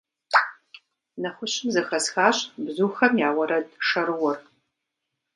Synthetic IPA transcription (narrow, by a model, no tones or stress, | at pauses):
nɐχʷʊɕɪmzɐxɐsxaːɕbzuːxɐmjaːʁʷɐɾɐdʂɐɾɨwɔr